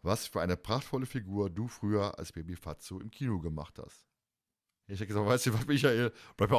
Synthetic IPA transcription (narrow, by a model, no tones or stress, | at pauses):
vasfyːɐʔaɪnəpʁ̥aχtfɔləfiɡuːɐduːfʁ̥yːɐʔa̰lsb̥ebifat͡soɪ̰mkʰiːnoɡəma̰χtha̰st | aɪɛɡəzaːvaɪsivatmɪçaeːlb̥laɪp̚t